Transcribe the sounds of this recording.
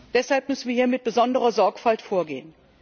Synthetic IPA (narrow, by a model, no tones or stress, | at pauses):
d̥ɛshalp̚mʏsn̩viːɐhiːɐmɪt̚b̥əzɔndəʁɐzɔɐkfaltfoːɐɡḛːən